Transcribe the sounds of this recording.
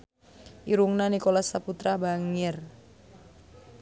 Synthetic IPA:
ʔiɾuŋnanikolasaput̪ɾabaŋɪr

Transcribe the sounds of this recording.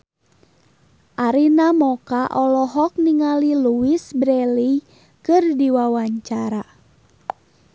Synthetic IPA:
ʔaɾinamɔkaʔɔlɔɦɔk̚niŋaliluwisbɾɛli | kɨrdiwawaɲt͡ʃaɾa

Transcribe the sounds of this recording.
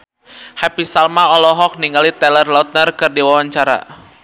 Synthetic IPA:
hapisalmaɔlɔɦɔk̚niŋɡalit̪ɛlərlɔt̪̚nərkɨrdiwawaɲt͡ʃaɾa̰

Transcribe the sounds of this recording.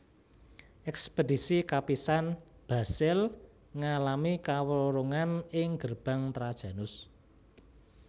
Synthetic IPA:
ʔɛkspedisikapisan | b̥a̤sɪl | ŋalamikawəoɾoŋanɪŋɡ̥ərb̥a̤ŋt̪ɾad̥ʒ̥ä̤nʊs

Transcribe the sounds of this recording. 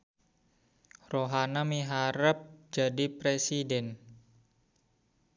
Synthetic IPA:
roɦanamiɦaɾəp̚d͡ʒadipɾesidɛn

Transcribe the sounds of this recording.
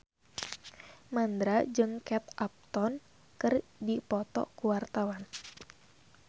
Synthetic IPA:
mand̪ɾad͡ʒɨŋkɛt̪ʔap̚t̪ɔn | kɨrdipɔt̪ɔ̰kuwart̪awan

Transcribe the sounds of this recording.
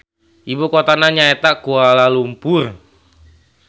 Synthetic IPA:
ʔibokot̪anaɲaet̪akualalumpʊr

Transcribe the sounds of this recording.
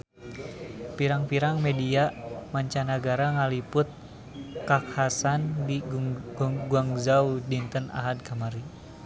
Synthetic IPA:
piɾaŋpiɾaŋmɛdiamaɲt͡ʃanaɡaɾaŋalipʊt̪̚ | kakhasandiɡuŋɡuaŋzaudint̪əna̰ɦad̪̚kamaɾi

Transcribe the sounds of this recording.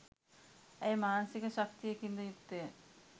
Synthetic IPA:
ejmaːnsikɐʃɐkt̪iekind̪ojukt̪e

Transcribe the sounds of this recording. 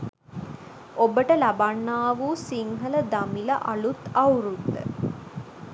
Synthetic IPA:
obəʈəlɐbanːaːʋusiŋɦələd̪ɐmilɐʔɐɭut̪ɐuɾud̪ːə̰

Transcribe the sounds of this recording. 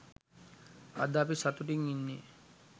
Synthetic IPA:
a̰d̪aːpisat̪uʈiŋinːi

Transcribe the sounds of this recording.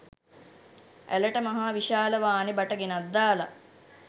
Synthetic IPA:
ʔæ̰ləʈəmaɦaːʋiʃaːləʋaːnebaʈəɡenad̪ːaːla̰

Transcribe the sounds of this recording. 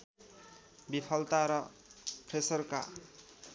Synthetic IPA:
bipʰʌlt̪aɾʌpʰresʌrka̰

